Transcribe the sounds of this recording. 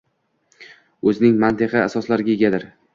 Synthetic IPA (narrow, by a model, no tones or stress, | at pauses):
ɵzɪnɪŋmant̪ʰɪqɨasɒslaɾɪɡʲajeɡʲad̪ɪɾ